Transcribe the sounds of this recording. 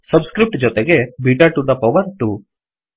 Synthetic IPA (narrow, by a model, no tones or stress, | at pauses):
sɐbskɾip̚ʈd͡ʒɔt̪eɡebiʈaːʈud̪ɐpɐʋɐɾʈu